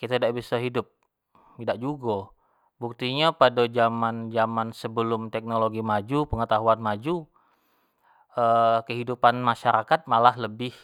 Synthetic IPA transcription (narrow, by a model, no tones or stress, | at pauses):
kit̪aidaʔbisaɦidʊp̚ː | idaʔ̚d͡ʒuɡa | buk̚t̪iɲapadad͡ʒamand͡ʒamansəbəlʊmt̪ɛk̚noloɡimad͡ʒupəŋət̪aɦuanmad͡ʒu | əkəɦidupanmaʃaɾakat̪̚malahləbɪh